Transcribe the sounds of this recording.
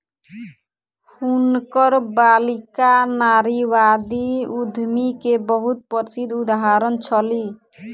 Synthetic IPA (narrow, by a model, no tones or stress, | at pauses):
hunkɔɾbalikanaɾiwad̪iud̪ʱmikebɔɦut̪̚pɔɾsid̪ud̪aɦaɾʌnt͡ʃʰʌli